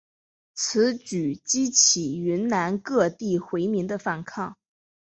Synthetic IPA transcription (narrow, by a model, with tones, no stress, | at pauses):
t͡sʰɹ̩˧˥t͡ɕy˨˩t͡ɕi˥t͡ɕʰi˨˩ɥy˧˥nna˧˥nkɤ˥˧t̪i˥˩xwe˧˥ɪmi˧˥ŋd̪ə˧fa˥˩nkʰɑ˥˩ŋ